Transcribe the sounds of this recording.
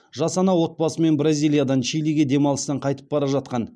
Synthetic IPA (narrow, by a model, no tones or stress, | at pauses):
ʒɑsɑnɑwo̞t̪̚bɑsəme̞nbɾazʲijlˠijad̪ɑnʃijliɡʲed̪e̞mɑlˠəst̪ɑɴqʰɑjt̪ə̥p̚bɑɾɑʒɑt̪̚qɑn